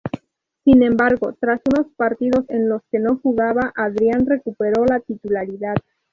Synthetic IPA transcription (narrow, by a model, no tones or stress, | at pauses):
sinẽ̞mbaɾɣo̞t̪ɾasuno̞spaɾt̪iðo̞se̞nlo̞ske̞no̞xuɣaβaʔaðɾjanre̞kupe̞ɾo̞lat̪it̪ulaɾiðað